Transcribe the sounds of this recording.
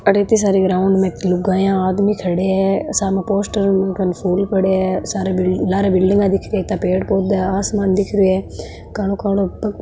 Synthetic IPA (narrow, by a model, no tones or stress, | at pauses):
əʈeːt̪iːs̬aːɾiːɡɾaːʊɳɖmɛ̃ːt̪lʊɡaːjãːaːd̪miːkʰəɽeːɛːsaːmãːpoːsʈəɾkənpʰuːlpəɽeːɛːsaːɾelaːɾeːbɪlɖɪ̃ŋɡãːd̪ɪkʰɾɛːt̪ãːpeːʈpoːd̪aːaːsmaːnd̪ɪkʰɾeɛː | kaːloːkaːɽoə